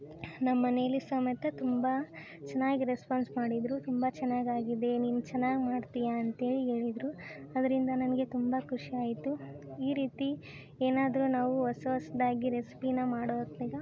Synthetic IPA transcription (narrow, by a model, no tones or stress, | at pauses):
nɐmːɐne̞ːlisɐːmɐt̪ɐt̪umbɐ | t͡ʃɛnːaːɡiɾespaːnsmaːɽid̪ɾut̪umbɐt͡ʃɛnːaːɡaːɡid̪e̞niːʋut͡ʃɛnːaːɡmaːɖt̪ijɐːnt̪e̞ːɭiɦe̞ːɭid̪ɾuɐd̪ɐɾind̪ɐnɐnɐɡe̞t̪umbɐkʰuʂiaːjit̪uiːɾiːt̪i | eːnaːd̪ɾunaːʋuʋɐsɐʋɐsɐd̪aːɡiɾesi̥pinɐmaːɽoːt̪niɡɐ